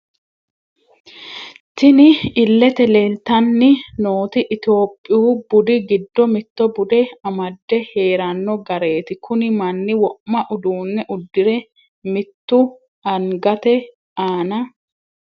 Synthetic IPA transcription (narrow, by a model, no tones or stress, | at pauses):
t̪ɪnɪɪlːɛt̪ɛlelt̪ɐnːɪno̞ːt̪ɪʔːt̪ɪo̞ːpʼːɪjuːbʊd̪ɪɡɪd̪ːɔmɪt̪ːɔbʊd̪ɛɐmɐd̪ːɛhe̞ːɾɐnːɔɡɐɾe̞ːt̪ɪkʰʊnɪmɐnːɪwɔʔmɐʔʊd̪uːnːɛʔʊd̪ːɪɾɛ | mɪt̪ːʊ | ɐŋɡɐt̪ɛ | aːnɐ